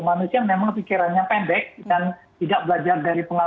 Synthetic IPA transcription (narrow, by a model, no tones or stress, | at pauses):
manusiamemaŋpikiɾanɲapɛndɛk̚dant̪idak̚bəlad͡ʒardaɾipəŋa